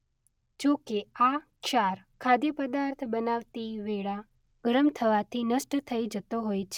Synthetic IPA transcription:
d͡ʒokeakʃaɾ | kʰad̪jəpəd̪aɾt̪ʰbənaʋt̪iʋeɭa | ɡ̥əɾəmt̪ʰəʋat̪ʰinəʃʈt̪ʰəid͡ʒət̪oɦojt͡ʃʰ

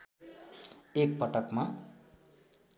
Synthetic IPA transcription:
ek̚pʌʈʌkma

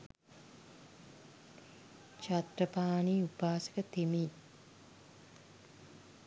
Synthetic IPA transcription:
t͡ʃat̪rəpaːniːupaːsə̥kət̪emiː

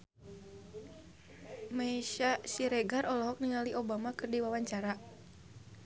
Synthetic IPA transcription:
maiʃasiɾɛɡarʔɔlɔɦɔk̚niŋaliʔobamakɨrdiwawaɲt͡ʃaɾa

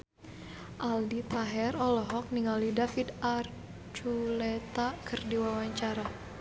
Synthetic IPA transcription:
ʔaldit̪aɦɛrɔlɔɦɔk̚niŋalidafid̪ar | t͡ʃulɛt̪akʰərdiwawaɲt͡ʃaɾa

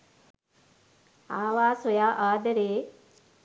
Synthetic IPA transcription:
aːʋaːsojaːʔaːd̪əɾeː

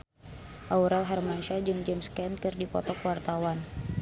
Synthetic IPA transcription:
ʔauɾalɦarmanʃad͡ʒɨŋd͡ʒɛmskɛnkɨrdipɔ̰t̪ɔkwart̪awan

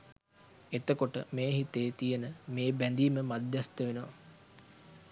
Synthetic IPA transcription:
et̪əkoʈə̰meːɦit̪eːt̪ijənəmeːbænd̪iːməmad̪jast̪əʋenəʋa̰

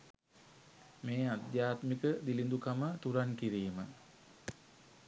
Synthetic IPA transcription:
meːad̪jaːt̪mikəd̪ilind̪ukamət̪uɾankiɾiːmə

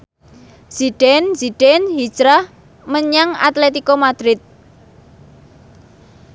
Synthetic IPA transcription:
z̥iɖ̥ɛnz̥iɖ̥ɛnɦi̥d͡ʒɾah | məɲaŋa̰t̪let̪ikomad̪̥ɾɪt̪̚

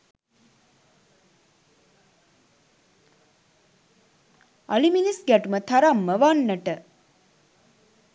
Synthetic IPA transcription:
aliminisɡæʈumət̪ʰaɾamːəʋanːəʈə

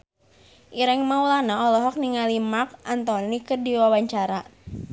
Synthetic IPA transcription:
ʔiɾɛŋmawlanaɔlɔɦɔk̚niŋalimak̚ʔant̪ɔnikərdiwawaɲt͡ʃaɾa

